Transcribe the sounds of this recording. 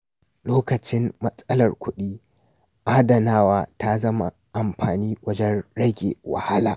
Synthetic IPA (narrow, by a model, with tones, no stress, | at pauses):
loː˦kɐ˨t͡ʃɪ˦mːɐ˦sʼɐ˦lɐ˨rkʷʊ˦ɗiː˦ | ʔaː˦dɐ˨naː˦waː˦ta˦zɐ˦ma̰˨ | ʔa˨mɸaː˨niː˦wɐ˦d͡ʒɛ˦nɽɐ˦ɡʲḛ˨wɐ̰˨ha˦laː˨ʔ